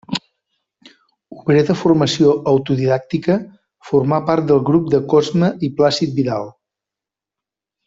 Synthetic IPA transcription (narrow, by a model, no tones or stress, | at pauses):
uβɾeðəfurməsioʔəwt̪uðiðak̚t̪ikə | furmapart̪̚d̪əlˠɣɾup̚d̪əkɔzməiplasit̪̚biðalˠ